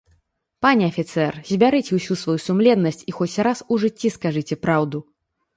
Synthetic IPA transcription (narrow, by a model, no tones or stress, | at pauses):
panʲɛɐfʲit̪sɛrzʲbʲaɾɨt͡sʲɛwsʲusvajusumlʲɛd̪nɐsʲt͡sʲixɔt͡sʲɾasuʐɨt͡sʲːiskaʐɨt͡sʲɛpɾawd̪u